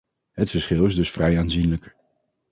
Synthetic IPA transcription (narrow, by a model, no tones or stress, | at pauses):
ɦətfəɹsχɪlˠɪzdɵsfrɛjaːnzinlək